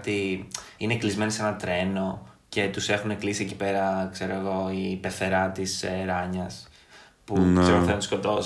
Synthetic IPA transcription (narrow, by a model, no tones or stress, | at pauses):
t̪iineklizme̞nisenɐt̪ɾe̞no̞ | ce̞t̪use̞xuneklisiecipe̞ɾɐkse̞ɾo̞eɣo̞ipe̞θe̞ɾɐt̪iseɾɐɲɐs | puseɾooθeont̪sko̞t̪o